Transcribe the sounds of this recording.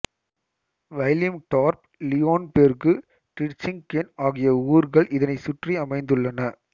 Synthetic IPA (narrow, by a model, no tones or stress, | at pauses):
ʋɐljɐmʈaːɾp̚ | lɪjoːnpeːɾɣɯ | ʈɪʈt͡ʃɪŋkenaːɣɪjɐuːɾɣɐɭʔɪðɐnɐɪsʊʈriɐmɐɪnd̪ɯɭːɐnɐ